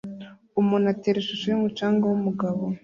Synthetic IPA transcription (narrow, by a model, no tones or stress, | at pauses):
umunateɾeʃuʃujimut͡ʃaːŋɡawumuɡaβo